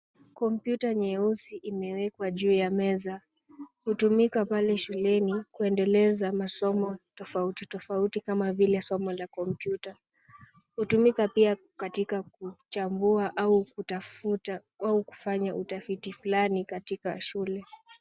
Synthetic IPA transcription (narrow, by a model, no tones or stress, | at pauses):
kɔmpjutaɲɛusiʔimɛwɛkwaʄuːjamɛza | hutumikapalɛʃulɛnikuɛndɛlɛzamasɔmɔtɔfautitɔfautikamavilɛsɔmɔlakɔmpjuta | hutumikapia | katikak̚ut͡ʃambuaʔaukutafuta | auku̥faɲaʔutafitifulanikatika̰ʃulɛ